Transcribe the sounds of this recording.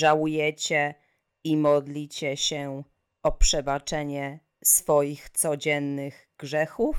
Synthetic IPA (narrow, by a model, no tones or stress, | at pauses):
ʐawujɛt͡ɕɛ | imɔd̪lʲit͡ɕɛɕɛ | ɔpʂɛbat͡ʂɛɲɛ | sfɔjixt̪sɔd͡ʑɛnːɘɣ | ɡʐɛxuf